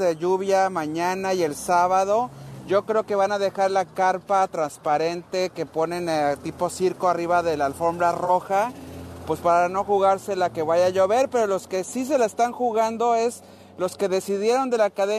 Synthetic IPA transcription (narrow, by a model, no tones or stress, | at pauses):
ðeʝuβjamãɲanaje̞lsaβaðo̞ɟ͡ʝo̞kɾe̞oke̞βanaðe̞xaɾlakaɾpat̪ɾanspaɾe̞nt̪e̞ke̞po̞ne̞nt̪ipo̞siɾko̞ariβaðe̞lalfo̞mbɾaro̞xapwe̞spaɾano̞xuɣaɾse̞lake̞βaʝaʝo̞βe̞ɾpe̞ɾo̞lo̞ske̞sis̬e̞laest̪aŋxuɣand̪o̞e̞s | lo̞ske̞ðe̞siðjeɾo̞nd̪e̞lakaðe